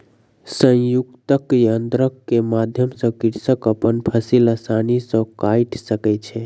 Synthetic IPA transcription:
sə̃jukt̪əkjənd̪ɾəkːemad̪ʱjəmsə̃kiɾsəkəpənpʰəsilasanisə̃kajʈsəkɛt͡ʃʰɛ

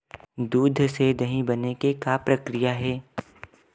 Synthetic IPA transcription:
d̪uːd̪ʱsed̪ɐɦĩbɐnekekapɾɐkɾijaɦɛː

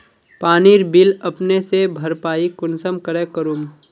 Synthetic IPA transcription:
paːniːɾbɪlɐpnesebʱɐɾpaːikʊnsəmkəɾekəɾuːm

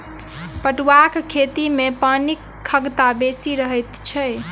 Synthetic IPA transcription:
pəʈwakkʰːet̪imepənikʰːəɡt̪abesiɾəɦəjt̪t͡ʃʰɛ

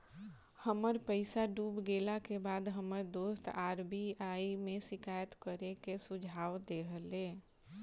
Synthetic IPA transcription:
həməɾpəɪsaɖuːbɡelakebaːd̪ɦəməɾd̪oːst̪aːɾbiaːimẽsɪkaːjət̪kəɾekesʊd͡ʒʱaːʋd̪eɦəleː

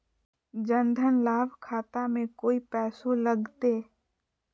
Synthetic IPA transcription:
d͡ʒə̃nd̪ʱənlaːbʱkʰaːt̪amẽkoːipɛːsõləɡt̪eː

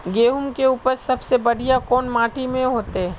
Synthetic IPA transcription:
ɡeːɦʊmkeuːpəɾsɐbsebɐɽijakɔːnmaːʈimẽɦoːt̪eɦɛ

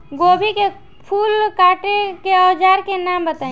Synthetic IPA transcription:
ɡoːbʱike | pʰuːlkaːʈekeɔːd͡ʒaːɾkenaːmbət̪aːĩ

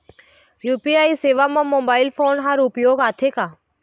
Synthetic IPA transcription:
juːpiaːiseːʋamãmoːbaːɪlpʰoːnɦaɾʊpjoːɡaːt̪ʰeːkaː

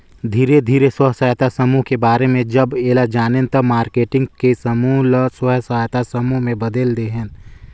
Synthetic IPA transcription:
d̪ʱiːɾed̪ʱiːɾeswəɦsaːjt̪asɐmuɦkebaːɾemẽd͡ʒɐbeːlad͡ʒaːnẽnt̪ɐmaːɾkeːʈɪ̃ŋɡkesɐmuːlswəɦsaːjt̪asɐmuːɦmẽbɐd̪eld̪eɦɛ̃n

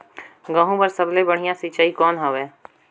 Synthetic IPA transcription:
ɡãːɦũpɐɾsɐblebɐɽ̤ijãsit͡ʃaːikɔːnɦɐʋɛː

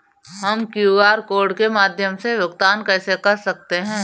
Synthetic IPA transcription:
ɦɐmkjuːaːɾkoːɾɖkemaːd̪ʱjəmseʋjʊɡt̪aːnkɛːsekɐɾsɐk̚t̪eɦɛ̃ː

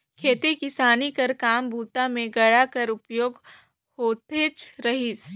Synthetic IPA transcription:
kʰeːt̪ikɪsaːnikɐɾkaːmbʱuːt̪amẽɡɐɽakɐɾʊpjoːɡ | hoːt̪et͡ʃɾɐɦis

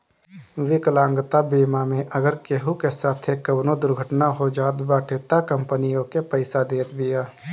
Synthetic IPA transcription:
ʋɪkəlãːŋɡt̪abiːmamẽʔəɡəɾkeɦukesaːt̪ʰekɐʋnõd̪ʊɾɡʱəʈnaɦod͡ʒaːt̪baːʈʰeːt̪akə̃mpənijõkepəɪsad̪eːt̪bijaː

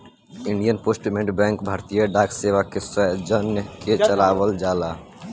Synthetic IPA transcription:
ɪɳɖijənpoːsʈmẽɳʈbɛ̃ːŋkbʱaːɾt̪ijəɖaːkseːʋakesəɦd͡ʒənjket͡ʃəlaːwəld͡ʒaːlaː

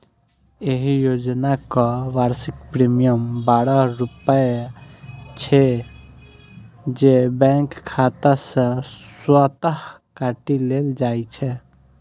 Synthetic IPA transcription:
eɦijod͡ʒnakɔʋaɾsikpɾimijəmbaɽɔɾupə | t͡ʃʰɛ | d͡ʒebɛ̃ŋkkʰːat̪asə̃swat̪əɦ | kaʈileld͡ʒajt͡ʃʰɛ

